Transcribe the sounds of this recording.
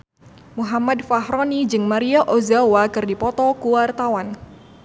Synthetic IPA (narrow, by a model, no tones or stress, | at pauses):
muɦamadfaɦɾɔnid͡ʒɨŋmaɾiaʔozawakɨrdipɔt̪ɔkuwart̪awan